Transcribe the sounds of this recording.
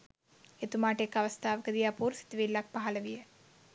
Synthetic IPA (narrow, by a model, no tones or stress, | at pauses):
et̪umaːʈekːɐʋɐst̪ʰaːʋɐkɐd̪ijaːpuːɾsi̥t̪ʋeːlːaːk̚pɐɦɐlɐʋijɐ